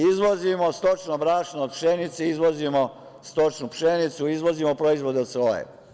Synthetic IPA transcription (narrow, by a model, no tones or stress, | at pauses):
izʋozimost̪ot͡ʃnobɾaːʃnood̪̚pʃenit̪seizʋo̞zimo | st̪o̞t͡ʃnupʃenit̪suizʋo̞zimopɾoizʋo̞d̪eod̪sʋo̞jḛ